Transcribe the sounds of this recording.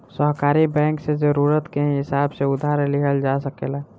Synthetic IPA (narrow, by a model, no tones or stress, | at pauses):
səɦkaːɾibɛ̃ːŋksezəɾuːɾət̪keɦɪsaːbseʊd̪ʱaːɾlɪəld͡ʒasəkeːlaː